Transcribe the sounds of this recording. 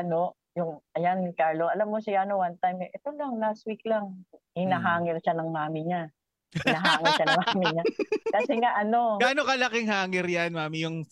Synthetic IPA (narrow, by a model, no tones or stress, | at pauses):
ʔɐno̞ | jʊŋʔɐjankaɹloɐlamːosɪjaːnowant̪ajmjʔɛt̪olɐŋlas̚wik̚laŋ | hɪnɐɦaːŋɪɾʃanɐŋmaːmɪɲa | ɪnaɦaːŋɪɾʃanɐŋmaːmɪɲakɐsɛŋaʔɐno̞ɡaːnokɐlɐkɪŋɦaːŋɪɾjanmaːmɪjʊŋ